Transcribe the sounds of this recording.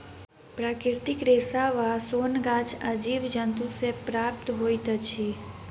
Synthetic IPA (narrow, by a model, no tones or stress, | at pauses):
pɾakɾɪɾt̪ikɾesaʋasonɡãt͡ʃʰad͡ʒiʋd͡ʒənt̪ũsepɾap̚t̪ɦojt̪ət͡ʃʰi